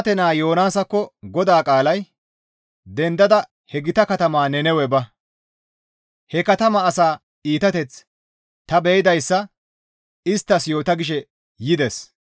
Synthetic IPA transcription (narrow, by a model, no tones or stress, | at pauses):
t̪ɛnaːjo̞ːnaːsɐkːɔɡɔd̪aːkʼaːlɐj | d̪ɛnd̪ɐd̪ɐ | hɛɡɪt̪ɐkɐt̪ɐmaːnɛnɛwɛbɐ | hɛkɐt̪ɐmɐːsaː | iːt̪ɐt̪ɛt͡s | t̪ɐbɛjɪd̪ɐjsːɐ | ɪst̪ːɐsjo̞ːt̪ɐɡɪʃ̬ɛ | jɪd̪ɛs